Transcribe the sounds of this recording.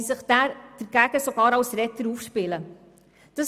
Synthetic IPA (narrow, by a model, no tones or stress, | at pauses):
səχd̥̪æːɾd̥əɾɡ̥æɡəsoɡɑːɾɑwsɾɛt̪əɾuːfʃpɪlə | d̥ɑs